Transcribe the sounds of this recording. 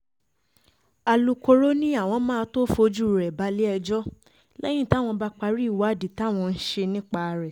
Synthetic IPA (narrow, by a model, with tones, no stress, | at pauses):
a˨lu˧ko˧ɾo˦nĩ˦a˦˨w̃ɔ̃˧˦mãː˦˧to˦fo˧d͡ʒu˦˨ɾɛ˨ba˧˦li˦ɛ˧d͡ʒɔ˦ | lɛ˦j̃ĩ˦˨ta˦˨w̃ɔ̃˧ba˦k͡pa˧ɾi˦˨wa˨˦˨di˨ta˨˦˨w̃ɔ̃˧n̩˦ʃe˧nĩ˦k͡pa˧ɾɛ˨